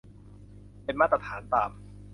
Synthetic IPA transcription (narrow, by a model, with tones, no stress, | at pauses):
pe˧nmaː˥˩t̪ɾa˧t̪ʰaː˩˦nt̪aː˨˩m